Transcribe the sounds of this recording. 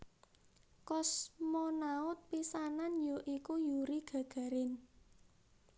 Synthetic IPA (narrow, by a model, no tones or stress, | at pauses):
kɔsmɔnaʊt̪̚pisananjoʔikujuɾiɡ̥ä̤ɡ̥ä̤ɾɪn